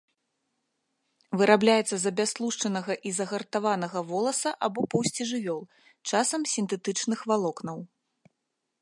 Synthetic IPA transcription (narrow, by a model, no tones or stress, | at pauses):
vɨɾʔablʲajɛt̪sːɐzɐbʲaslˠuʂt͡ʂɐnɐɣɐʔizɐɣɐrt̪avanɐɣɐvɔlˠɐsɐʔabɔpɐwsʲt͡sʲiʐɨvʲɔlˠ | t͡ʂasɐmsʲint̪ɛt̪ɨt͡ʂnɨxvalˠɔknɐw